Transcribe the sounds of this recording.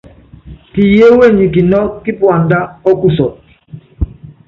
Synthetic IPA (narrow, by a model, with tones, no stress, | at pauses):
ti˨je˦we˦˨ɲi˨ki˨nɔ˦ki˦pwa˨nda˦ɔ˦ku˦˨sɔ˨t̚